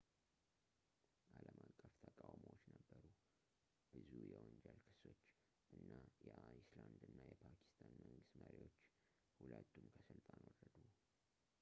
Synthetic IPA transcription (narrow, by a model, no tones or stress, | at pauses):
ʔaləmakʼːəft̪ʰəkʼawməwot͡ʃːnəbːəɾu | b̥ɨzujɛwɔnd͡ʒɛlkʰɨ̥so̞t͡ʃː | ʔɨnːajɛʔajisland̪ɨnːajɛpʰakʰi̥st̪ʰanməŋɡɨst̪məɾiwo̞t͡ʃː | hulət̪ʰːumkʰəsɨlt̪ʼanwɔrːəd̪u